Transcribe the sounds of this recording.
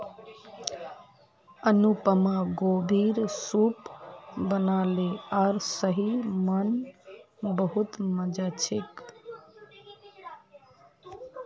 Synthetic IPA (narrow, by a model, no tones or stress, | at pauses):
ənupəmaɡobʱiɾsupbənaleaɾsəɦimən | bəɦut̪məd͡ʒat͡ʃʰek